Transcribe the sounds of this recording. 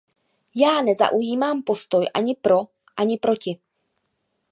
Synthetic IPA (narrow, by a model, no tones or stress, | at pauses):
jaːnɛza̰ʔujiːmaːmpo̞st̪o̞jʔa̰ɲɪpɾo̞ | ʔaɲɪpɾo̞cɪ